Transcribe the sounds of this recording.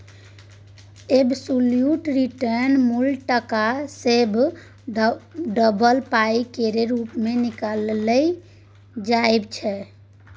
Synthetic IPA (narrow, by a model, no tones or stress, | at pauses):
ebsuljuʈɾiʈəɾnmulʈəkaseb | ɖəbəlpaikeɾeɾupmenikalɛ | d͡ʒaebt͡ʃʰɛ